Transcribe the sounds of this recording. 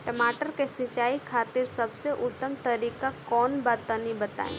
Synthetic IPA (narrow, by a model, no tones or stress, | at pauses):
ʈəmaːʈəɾkesɪt͡ʃaːikʰaːt̪iɾsəbseʔʊt̪ːəmt̪əɾikakɔːnbat̪ənibət̪a̰ḛ̃